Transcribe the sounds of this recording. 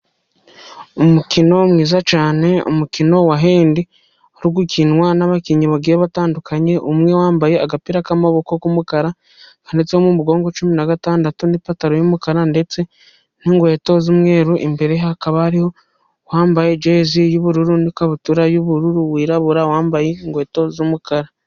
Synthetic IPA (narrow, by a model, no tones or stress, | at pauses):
umukino̞mŋiːzat͡ʃaːne̞ṵmukino̞waɦeːndi | oɾiɡucinwanaβakiɲiβaɡiɾeβataːndukaɲe̞ʔumŋe̞waːmbajeaɡapiɾakamaβo̞ko̞kumukaɾa | kande̞t͡sehomumuɡo̞ːŋɡo̞t͡ʃuminaɡataːndatunipataɾojumukaɾande̞t͡se̞ | niŋɡwe̞ːto̞zumwe̞ːɾuʔimbe̞ɾeɦakaβaːɾiho̞ | waːmbajed͡ʒeːzijuβuɾuɾunikaβutuɾajuβuɾuɾuwiːɾaβuɾawaːmbajeŋɡwe̞ːto̞zumukaɾa